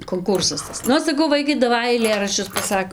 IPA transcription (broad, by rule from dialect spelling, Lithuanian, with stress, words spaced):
koːŋˈkʊrsɐs ˈtɐs ˈnʊ sɐˈkɐʊ ˈʋɐɪkɐɪ dɐˈʋɐɪ ɐɪˈlʲeːrɐʃʲt͡ʃʲʊs pɐˈsɐk